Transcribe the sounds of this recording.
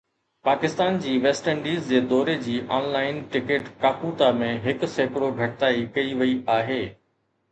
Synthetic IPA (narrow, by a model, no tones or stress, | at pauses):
paːkɪst̪aːnd͡ʑiːʋeːsʈə̃ɳɖiːzd͡ʑeːd̪ɔːɾed͡ʑiːʔaːnlaːɪnʈɪkeːʈkaːkuːt̪amẽɦɪkʊseːkɽoɡʱɐʈɪt̪aːikɐiʋɐiaːɦeː